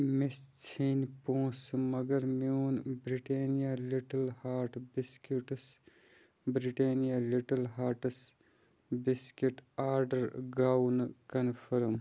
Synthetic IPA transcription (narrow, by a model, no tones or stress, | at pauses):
mist͡sʰinpõːsmɐɡɐɾmiuːnbɾiʈeːnijaliʈɐlhaːɾʈbiskuʈs | bɾiʈeːnijaliʈɐlɦaːɾʈs | biskiʈaːɾɖɐɾɡaːwnkɐnpʰɐɾm